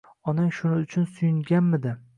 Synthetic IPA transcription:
ɒnaŋʃʊnɪʊt͡ʃʰʊnsʊjɪŋɡʲanmɪd̪ɪ

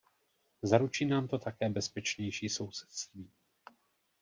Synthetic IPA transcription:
zaɾut͡ʃiːnaːmt̪o̞t̪akɛːbɛspɛt͡ʃɲɛjʃiːso̞wsɛ̥t̪st̪viː

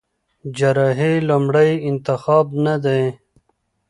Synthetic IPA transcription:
d͡ʒaɾɑɦelumɽəjɪnt̪ɪxɑːbnad̪e

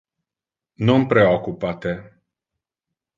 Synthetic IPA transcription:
numpɾeokupat̪e

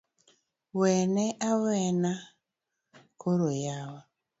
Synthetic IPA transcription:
weneʔawena | kʰoɾojawa

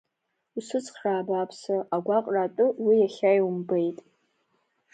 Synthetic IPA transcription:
usɨt͡sʼχraːbaːpʰsaʔaɡʷaqʼratʼɨwijaχʲajwumbejtʼ

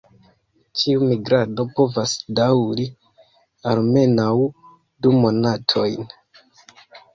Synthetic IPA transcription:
t͡ʃiumiɡɾado̞po̞vasdawɾi | alme̞naw | dumo̞natʰo̞jn

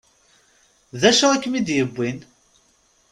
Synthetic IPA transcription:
ðæʃæækːmid̪jəbːin

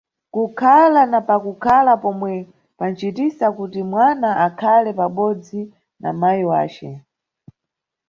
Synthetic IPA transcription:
kukʰalanapakukʰalapɔmwɛ | pant͡ʃitisakutimwanaʔakʰalɛpaɓɔd͡zi | na̰majiwa̰ːt͡ʃɛ

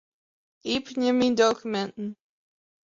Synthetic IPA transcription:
ʔipnəmindokymɛ̃nn̩

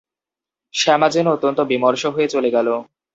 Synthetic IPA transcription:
ʃɛmad͡ʑonot̪ːont̪obimoɾʃoɦoet͡ɕoleɡɛlo

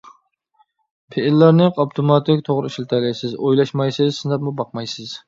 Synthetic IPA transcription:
pʰeɪlːæɾnɪqɑpt̪ʰomɑt̪ʰɪkʲt̪ʰoʁɾɨiʃlt̪ʰɛlɪjsɪzojlˠɑʃmɑjsɪzsɨnd̪ɛpmubɑqmɑjsɪz̥

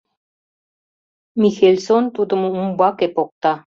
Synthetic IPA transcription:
mixelʲsont̪ud̪ə̆mumbɑkepok̚t̪ɑ

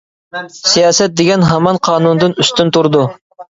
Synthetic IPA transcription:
sijɑːsɛt̪̚d̪eɡʲɛnɦɑmɑnqʰɑːnund̪ɨnyst̪ynt̪uɾd̪u

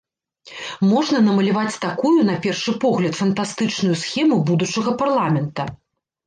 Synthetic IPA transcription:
mɔʐnɐnɐmɐlʲavat͡sʲt̪akujun̪ɐpʲɛrʂɨpɔɣlʲɐt̪fɐnt̪ast̪ɨt͡ʂnujusxʲɛmubud̪ut͡ʂɐɣɐparlˠamʲɛnt̪ɐ

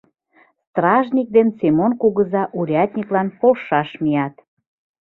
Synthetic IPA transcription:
st̪rɑʒnʲik̚d̪ensemonkuɣəzɑʔuɾʲɑt̪ʲnʲiklɑnpolʃɑʃmijɑt̪

